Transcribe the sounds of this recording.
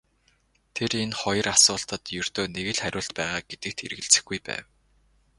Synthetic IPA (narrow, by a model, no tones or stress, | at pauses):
t̪ʰeɾenχɔj̆rasʊːɬt̪ə̆t̪jɵr̥t̪oːneɣɘ̆ɮχæɾʲʊːɬt̪̚pæːʁaːɡ̥et̪ɘ̆k̚t̪ʰḛɾ̆ɣɘ̆ɮt͡sɘ̆xɡujpæ̰ːw